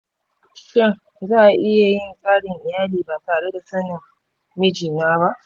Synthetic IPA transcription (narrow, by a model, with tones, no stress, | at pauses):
ʃɪ˦ŋ | zaː˦˨ʔa˨ʔɪ˦ja˨jɪ˦ŋkʼaː˦ɽɪ˨ŋʔɪ˨jaː˦liː˨baː˨taː˨ɽe˦da˨sɐ˦nɪ˨ŋ | mɪ˦d͡ʒiː˨naː˦βa˦ʔ